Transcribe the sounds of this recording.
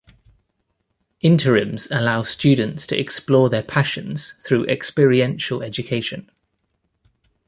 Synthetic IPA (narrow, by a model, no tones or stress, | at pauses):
ʔɪ̃ntʰəɹə̃mz̥əlaʊst͡ʃʉːdⁿn̩tstʰəʔɛ̰ksplɔːðəpʰaʃə̃nz̥θɹʉːʔɛ̰kspɪːɹiɛ̃nʃəlɛd͡ʒəkʰeɪʃə̃n